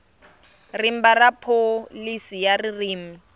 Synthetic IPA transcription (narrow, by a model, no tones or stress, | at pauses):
rim̩barapʰolisijaririːm̩